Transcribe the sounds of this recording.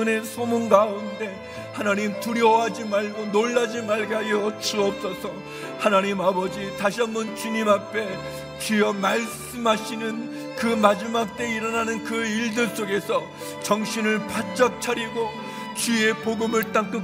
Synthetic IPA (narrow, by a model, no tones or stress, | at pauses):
ne̞sʰomunɡaunde̞ | hanaɲimtuɾjʌɦad͡ʑimaɭɡonoɭːad͡ʑimaɭɡajʌt͡ɕuʌp̚s͈ʌsʰʌ | hanaɲimabʌd͡ʑitaɕʰiʌmbunt͡ɕuɲimapʰe̞ | t͡ɕiʌmaɭs͈ɯmɦaɕʰinɯn | kɯmad͡ʑimak̚t͈e̞iɾʌnanɯnkɯiɭdɯɭs͈oɡe̞sʰʌ | t͡ɕʌŋɕʰinɯɭpat͡ɕ͈ʌk̚t͡ɕʰaɾiɡo | t͡ɕie̞poɡɯmɯɭt͈aŋk͈ɯ